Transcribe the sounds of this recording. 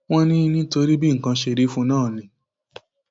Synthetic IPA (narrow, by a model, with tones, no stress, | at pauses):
w̃ɔ̃˦nĩ˦˧nĩ˦to˧ɾi˦bi˦ŋ̩˨kã˧ʃe˧ɾi˦fũ˦nãː˦˨nĩ˨˦